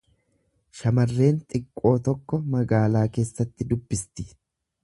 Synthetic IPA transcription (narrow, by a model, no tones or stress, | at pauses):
ʃɐmɐrːe̞ːnt̪ʼɪkʼːo̞ːt̪ɔkːɔmɐɡaːlaːke̞ːsːɐt̪ːɪd̪ʊbːɪst̪ɪ̥